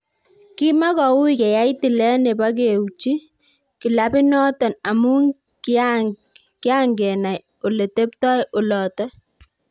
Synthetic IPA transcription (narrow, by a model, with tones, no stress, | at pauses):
ki˦ma˦kɔ˨wu˦ikɛ˨ja˦i˦ti˨lɛ˦ne˨pa˦k̬e˨wut͡ʃi˦ | ki˨la˦pi˦nɔ˦tɔ˨na˨mu˦ŋ | ka | kɪ˦a˦ŋɡɛ˨na˨j | o˨le˨te˦ptɔ˦jo˨lɔ˨tɛ˦